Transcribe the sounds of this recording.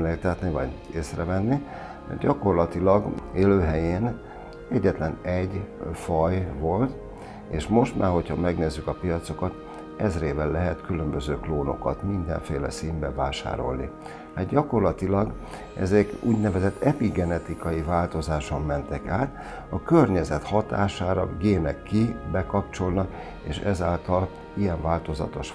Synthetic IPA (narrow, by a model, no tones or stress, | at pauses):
leːkt̪ɛt̪nivɒ̰ɟeːsrɛvɛnːi | ɛ̰ɟɒko̞rlɒt̪ilɒɡeːløːɦɛjeːn | ɛɟːɛt̪lɛnɛɟfɒjvo̞lt̪ | eːʃmo̞ʃt̪maːrho̞cʰhɒmɛɡneːzːykɒpijɒt̪so̞kɒt̪ | ɛzreːvɛlːɛɦɛt̪kylø̞mbøzøːkloːno̞̰kɒt̪mind̪ɛ̰ɱfeːlɛ̰siːmbɛvaːʃa̰ːɾo̞lnḭ | haːd̪ɟɒko̞rlɒt̪ilɒɡ | ɛ̰zɛkṵːɟnɛvɛzɛt̪ʰːɛpiɡɛnɛt̪ikɒjivaːlt̪o̞zaːʃo̞mːɛnt̪ɛkaːt̪ | ɒkørɲɛzɛt̪hɒt̪aːʃaːɾɒ̰ɡeːnɛkːibɛkɒpt͡ʃo̞lnɒk | eːʃɛzaːlt̪ɒl | ijɛɱvaːlt̪o̞zɒ̰t̪o̞ʃ